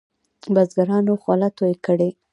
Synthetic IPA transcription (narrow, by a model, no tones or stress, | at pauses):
bazɡaɾɑnoxwalat̪ojekəɽe